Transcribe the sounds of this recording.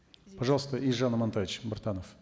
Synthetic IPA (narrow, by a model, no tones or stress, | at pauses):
pɐʐɑlˠst̪əiʐanəmɐnt̪avʲɪt͡ɕbɐrt̪anəf